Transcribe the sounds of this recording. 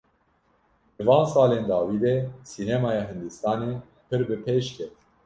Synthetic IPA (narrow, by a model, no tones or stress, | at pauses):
d̪ɨvɑːnsɑːleːnd̪ɑːwiːd̪ɛsinɛmɑːjɑːɦɨnd̪ɨst̪ɑːneː | pʰɨɾbɨpʰeːʃkʰɛt̪